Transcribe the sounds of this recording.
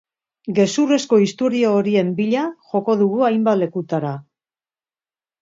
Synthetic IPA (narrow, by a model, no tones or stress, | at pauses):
ɡe̞sure̞sko̞ist̪o̞ɾio̞ːɾie̞mbiʎaʝo̞ko̞ðuɣ̞uajmbat̪le̞kut̪aɾa